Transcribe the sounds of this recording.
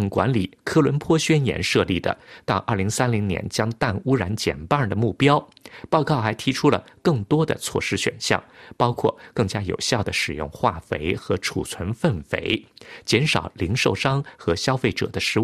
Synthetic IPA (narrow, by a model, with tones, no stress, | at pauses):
ŋkwa̰˧˥nli˨˩kʰɤ˥lwə˧˥npʰwɔ˥ɕɥɛ˥njɛ̰˧˥nʂɤ˥˧li˥˩d̪ə̰˩t̪ɑ˥˧ʊʔɐ˞˥˩li˧˥ŋsa˥nli˧˥ŋnjɛ̰˧˥nt͡ɕjɑ˥ŋt̪a˥˩nu˥ɻa˧˥nt͡ɕjɛ̰˨˩npa˥˩d̪ə˩mu˥˩pjɑ˥ʊpɑ˥˧ʊkɑ˥˩ʊxa˧˥ɪt̪ʰi˧˥ʈ͡ʂʰu˥lə̰˨kɤ˥˩ŋt̪wɔ˥d̪ə̰˨t͡sʰwɔ̰˥˩ʂɻ̩˥ɕɥɛ̰˨˩nɕjɑ̰˥˩ŋpɑ˥ʊkʰwɔ̰˥˩kɤ˥˩ŋt͡ɕja˥jo̰˨˩ʊɕjɑ˥˩ʊd̪ə˩ʂɻ̩˨˩jʊ̰˥˧ŋxwa̰˥˩fḛ˧˥ɪxɤ˧˥ʈ͡ʂʰṵ˨˩t͡sʰwə˧˥nfə˥˩nfḛ˧˥ɪt͡ɕjɛ˧˥nʂɑ̰˨˩ʊli˧˥ŋʂo˥˩ʊʂɑ˥ŋxɤ˧˥ɕjɑ˥ʊfe˥˩ɪʈ͡ʂɤ̰˨˩d̪ə˦ʂɻ̩˧˥